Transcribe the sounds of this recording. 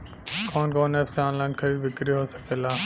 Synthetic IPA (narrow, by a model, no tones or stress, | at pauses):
koːnkoːneːpseãːnlaːɪnkʰəɾiːʋɪkɾiɦoːsɐ̥keːlaː